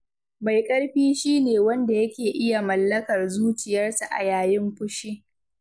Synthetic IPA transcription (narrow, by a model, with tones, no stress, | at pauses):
ma˨jkʼɐ˦ɽɸiː˦ʃiː˦neː˨wɐ˦nda˨jɐ˦kʲeː˨ʔɪ˦ja˨mɐ˨lːɐ˦kɐ˨rzuː˦t͡ʃɪ˨jɐ˦rsa˨ʔa̰˨jaː˨jɪ˦mɸʊ˦ʃi˦ʔ